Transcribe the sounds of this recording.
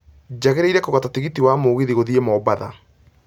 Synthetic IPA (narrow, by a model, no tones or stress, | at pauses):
d͡ʑaɣeɾeiɾɛkoɣatateɣitiwamoːɣeðiɣoðiemɔbaða̰